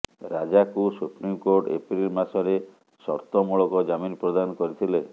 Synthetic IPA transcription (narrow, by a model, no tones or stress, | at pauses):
ɾad͡ʒakusupɾimkoɾʈḛpɾilmasɔɾe | sɔɾt̪ɔmuɭɔkɔd͡ʒaminpɾɔd̪anɔkɔɾit̪ʰile